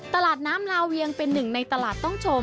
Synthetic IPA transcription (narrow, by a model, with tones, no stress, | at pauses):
t̪a˧laː˨˩t̪̚naː˦˥mlaː˧wwi˧əŋpe˧nːɯ˨˩ŋna˧jt̪a˧laː˨˩t̪ːɔ˥˩ŋt͡ɕʰo˧m